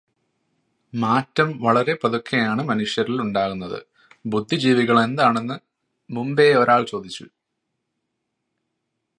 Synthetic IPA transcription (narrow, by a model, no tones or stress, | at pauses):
maːtːɐmʋɐɭɐɾe̞pɐðokʰːejaːɳɨmɐnuʂjɐɾiluɳɖaːɣunːɐðɨ̰ | bud̪ʱːid͡ʑiːʋiɣɐɭe̞nd̪aːɳe̞nːɨ | mumbe̞o̞ɾaːɭt͡ɕo̞ːd̪it͡ɕːṵ